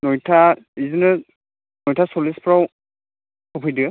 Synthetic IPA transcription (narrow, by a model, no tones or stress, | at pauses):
nɔjtʰaizɔnɛ | nɔjtʰasɔlispʰɹaw | kʰɔpʰijdi